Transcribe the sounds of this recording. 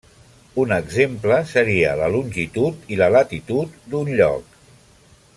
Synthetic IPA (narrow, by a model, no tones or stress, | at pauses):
unəɡzempləsəɾiə̰ləlunʲʒit̪ut̪ilələt̪it̪ut̪̚d̪unʎɔ̰k̚